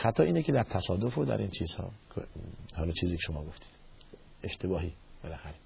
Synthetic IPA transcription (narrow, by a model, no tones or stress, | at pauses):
xæt̪ʰɒːiːneked̪æɾt̪ʰæsɒːd̪ofod̪æ̰ɾiːnt͡ʃʰiːz̥hɒ̰ːkʰhɒːlɒːt͡ʃʰiːziːkʰeʃomɒːɡoft̪ʰi̥ːd̪ | eʃt̪ʰe̞bɒːɦiːb̥elæxæɾe